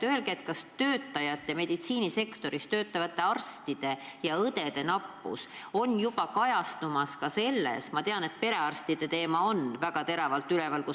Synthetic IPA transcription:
t̪øe̞lɡ̥et̪kɑst̪ø̞ːt̪ːˑɑjɑt̪ːˑjɑme̞d̪̥it̪siːnise̞kt̪o̞ɾist̪ø̞ːt̪ːˑɑvɑt̪ːˑe̞ɑrst̪id̪̥e̞jɑɤd̪̥e̞d̪̥e̞nɑpːṵso̞njub̥ɑkɑjɑst̪umɑskɑse̞lːḛsmɑt̪e̞ɑne̞t̪̚pe̞ɾe̞ɑrst̪id̪̥e̞t̪e̞ːmɑo̞nvæɡ̥ɑt̪e̞ɾɑvɑlt̪ːˑylevɑlku

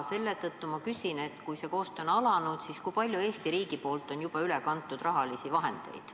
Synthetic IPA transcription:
se̞lːe̞t̪ɤt̪ːumɑkysine̞t̪kujse̞ko̞ːst̪o̞nɑlɑnud̪̥siskujpɑlʲjue̞ːst̪iɾiːɡ̥ipo̞ːlt̪ːˑo̞njub̥ɑylekɑnt̪ːˑud̪̥rɑɦɑlisivɑɦe̞̰nd̪̥e̞̰j̪̥

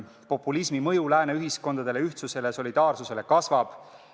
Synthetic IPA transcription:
po̞pːˑulismimɤjulæːneyɦisko̞nd̪ɑd̪̥e̞le̞yht̪suse̞le̞so̞lʲid̪̥ɑːrsuse̞le̞kɑsvɑb̥

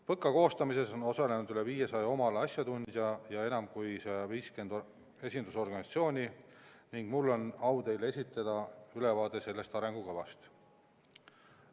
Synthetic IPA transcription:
pɤkːˑɑko̞ːst̪ɑmise̞so̞no̞sɑle̞nud̪̥yle̞viːje̞sɑjɑo̞mɑlɑsjɑt̪unʲd̪̥jɑjɑe̞nɑmkujseɑviːske̞nd̪ | e̞sʲind̪uso̞rɡ̥ɑnʲɑt̪sio̞ːnʲiniŋɡ̥mulːo̞nɑwd̪e̞jle̞sʲit̪ːˑɑd̪̥ɑyle̞vɑːd̪e̞se̞lːe̞st̪ɑɾe̞ŋɡ̥ukɤvɑ̰st̪

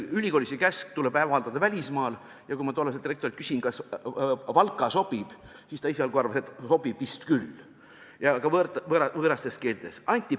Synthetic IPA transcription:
ylʲiko̞ːlʲisekæsk̚t̪uleb̥æːvɑɑld̪̥ɑd̪ɑvælʲismɑːl | jɑkuimɑt̪olːɑsed̪irekt̪oit̪kysʲinkɑs | vɑlkːˑɑso̞b̥ib̥ | sist̪ɑiseɑlkuɑrvɑset̪so̞b̥ib̥vist̪kylː | jɑkɑvɤt̪vɤɾɑvɤːɾɑst̪e̞ske̞ːlt̪e̞sɑnʲt̪ʲːˑi

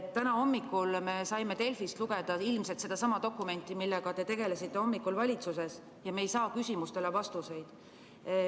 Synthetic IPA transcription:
t̪t̪ːænɑo̞mːikːˑulme̞sɑjme̞t̪e̞lfist̪luɡ̥e̞d̪̥ɑilmse̞lt̪se̞d̪̥ɑsɑmɑd̪̥o̞kːˑume̞nʲt̪ːˑimilːeɡ̥ɑt̪e̞t̪e̞ɡ̥e̞lesit̪ːe̞o̞mːikːˑulvɑlʲit̪suse̞s | jɑmeːjsɑːkysʲimust̪elevɑst̪use̞jd̪̥

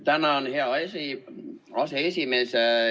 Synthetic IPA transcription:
t̪ænæonheæesi | ɑseesimeˑs

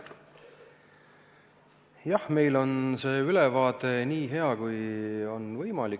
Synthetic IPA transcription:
jɑhme̞jlo̞nse̞ːylevɑːt̪ˑe̞niːɦe̞ɑkujo̞nvɤjmɑlik

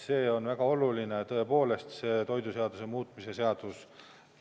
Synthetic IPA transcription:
se̞ːo̞nvæɡ̥ɑo̞lulinet̪ɤ̞e̞po̞ːle̞st̪se̞ːt̪o̞jd̪use̞ɑd̪̥use̞muːt̪ˑmise̞se̞ɑd̪̥us

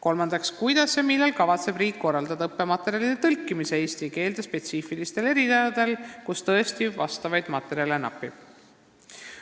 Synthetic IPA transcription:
ko̞lmɑnd̪ɑkskujd̪̥ɑsːemilːelkɑvɑt̪se̞b̥riːkːo̞rːɑld̪ɑd̪ɑɤpːe̞mɑt̪ːˑe̞ɾiɑlid̪̥et̪ɤlkːˑimiseeːst̪ike̞ːld̪espe̞t̪siːfilist̪e̞le̞ɾid̪ɑjɑd̪̥e̞lkust̪ɤ̞est̪ivɑst̪ɑvɑjd̪̥mɑt̪ːe̞ɾiɑle̞nɑ̰pˑːib̥

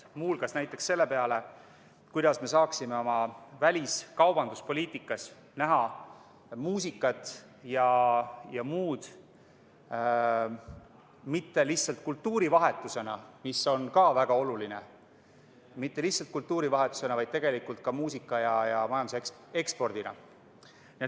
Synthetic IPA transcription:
muːlɡ̥ɑsnæjt̪ːˑe̞ksːe̞lːe̞peɑle̞ | kujd̪̥ɑsme̞sɑːksime̞o̞mɑvælʲiskɑwb̥ɑnd̪uspo̞lʲiːt̪ˑikːˑɑs | næɦɑ | muːsikːˑɑt̪ˑ | jɑjɑmuːd̪̥ | mit̪ːe̞lihtsɑlt̪̚kult̪ːuːɾivɑɦe̞t̪ːˑuse̞nɑmiso̞nkɑːvæɡ̥ɑo̞lulinḛ | mit̪ːe̞lihsɑlt̪̚kult̪ːuːɾivɑɦe̞t̪ːˑu̥se̞nɑvɑjd̪̥̚t̪e̞ɡe̞likult̪̚kɑmuːsikːˑɑjɑjɑmɑjɑnd̪use | e̞kspo̞rd̪̥inɑ̰ | nie

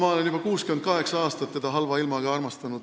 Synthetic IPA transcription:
mɑle̞njub̥ɑkuːskymen̥̚kɑɦe̞ksɑɑːst̪ɑt̪ːed̪̥ɑɦɑlvɑilmɑɡɑɑrmɑst̪ɑnud̪

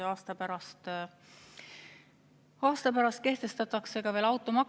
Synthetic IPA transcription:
ɑːst̪ɑpæɾɑst̪ | ɑːst̪ɑpæɾɑst̪̚ke̞ht̪e̞st̪ɑt̪ːˑɑkse̞ɡ̥ɑveːlɑwt̪ːˑomɑk

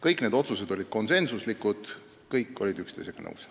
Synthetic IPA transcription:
kɤjkned̪o̞t̪suse̞d̪o̞lʲid̪̥ko̞nse̞nsuslikud̪̥ | kɤjkːˑo̞lʲid̪ykst̪ejseɡ̥ɑnɤ̰ws

